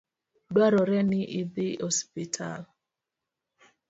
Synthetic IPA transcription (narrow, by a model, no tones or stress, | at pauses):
dwaɾɔɾɛnɪʔiðihɔspitʰa̰l